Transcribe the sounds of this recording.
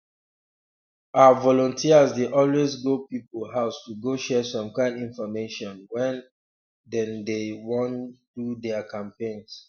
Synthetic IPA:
aavɔlɔ̃ntʰiazdeʔɔlwezɡopipolɦaʊstuɡoʃɛsɔ̃mkãɪ̃ndĩnfɔmeʃɔ̃nwɛ̃n | dɛ̃ndewɔ̃ntudɛakʰãmpẽns

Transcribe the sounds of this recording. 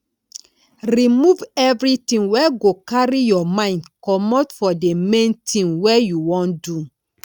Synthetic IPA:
ɾimuvɛvɹitĩŋwɛɡokaɾijɔmãɪ̃ndkɔmɔtfɔdemẽntʰĩŋwɛjuwɔ̃ndu

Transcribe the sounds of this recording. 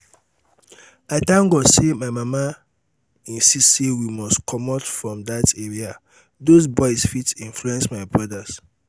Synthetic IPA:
aɪtãŋɡɔsemaɪmama | ĩnsistsewimɔstkʰɔmɔtfɹɔ̃mdateɹia | dozbɔɪsfitĩnfluɛ̃nsmaɪbɹɔdas

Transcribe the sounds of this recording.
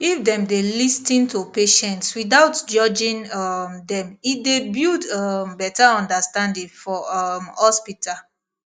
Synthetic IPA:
ifdɛ̃mdelistĩntupeʃɛ̃ntswidaʊtd͡ʒɔd͡ʒĩnamdɛ̃midebildɔmbɛtaɔ̃ndəstãndĩŋfɔmhɔspital

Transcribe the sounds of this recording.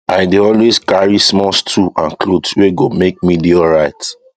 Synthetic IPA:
aɪdeɔlweskaɹismɔstʰuãnklotweɡomek̚midioɹaɪt

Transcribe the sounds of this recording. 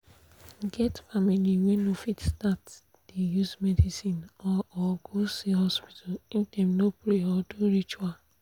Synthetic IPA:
ɡɛtfamiliŋʷenofitstat | d̥ijusmɛdisinɔʔɔɡosiɦɔspi̥tʰaln̩temnopɾeɔdoɾit͡ʃa

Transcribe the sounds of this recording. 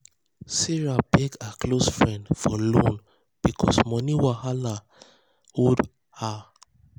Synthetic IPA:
siɹabeɡakʰlosfɹɛ̃ndfɔlõn | b̥ikʰɔ̰smɔniwahala | od | ha

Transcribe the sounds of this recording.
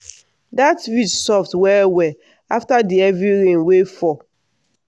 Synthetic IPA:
datvitsɔftwɛwɛ | aftadiɛvɹiɹẽnwefɔ

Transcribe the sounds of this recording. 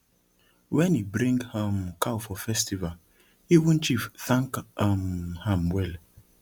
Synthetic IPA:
wɛ̃nibɾĩŋɡhamkʰawfɔfɛstival | iwũnt͡ʃifθãŋkamhãmwɛl

